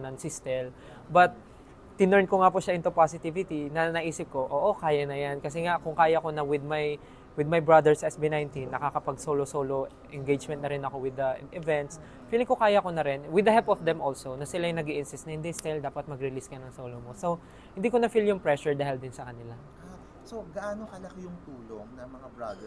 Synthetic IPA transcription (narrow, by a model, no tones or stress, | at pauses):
nɐŋsɪst̪ɛl | bɐt̪̚ː | ɪnoɹnkoŋapʊʃaʔɪnt̪opasɪt̪ivɪt̪inɐnɐʔiːsɪp̚ko̞ʔoːʔokaːjɐnɐjankɐs̬ɛŋaʔkʊŋkaːjɐko̞nɐwɪd̪̚maj | wɪd̪̚majbɹad̪ɛɹsʔɛsbinaj̃nt̪inːɐkakɐpɐɡsoːlosoːlo | ʔɛnɡejd͡ʒmɛnt̪nɐɾɪnɐko̞wɪd̪ɐʔɪvɛnt̪s | fiːlɪŋkʊkaːjɐko̞nɐɾɪnwɪd̪ɐhɛlpɔfd̪ɛmʔolsonɐsɪlajnɐɡiʔɪnsɪst̪ɐhɪnd̪ɪst̪ɪld̪aːpɐt̪̚mɐɡɾɪliskɐnɐŋsoːlomosow | hɪ̃nd̪iːkonɐfiljʊŋpɹɛʃʊɹd̪ɐhɛld̪ɪnsɐkɐnɪla | a | soɡɐʔaːnokɐlɐkjʊŋt̪uːloŋnɐŋmɐŋabɹad̪ɛ